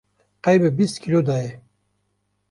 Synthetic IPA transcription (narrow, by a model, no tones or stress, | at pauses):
qajbebist̪kʰilod̪aje